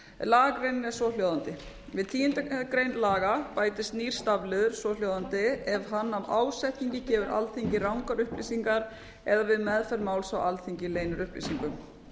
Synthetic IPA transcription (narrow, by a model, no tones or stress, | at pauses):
laːɣakɾejnɪnɛ̥sɔljowðant̪ɪ | vɪðt̪ʰiːɪnt̪akɾejnlaːɣapaːjt̪ɪst̪niːɾ̥st̪avlɪðʏɾ̥sɔljowðant̪ɪɛvɦanːamaːwsɛjht̪niɲcɪcɛːvʏɾa̰lθiɲcɪrawŋkaɾʏhplḭsiŋkaɾ | ɛðavɪðmɛðfɛɾmaːwlsawʔalθiɲcɪleːjnʏɾʏhplḭsiŋkʏm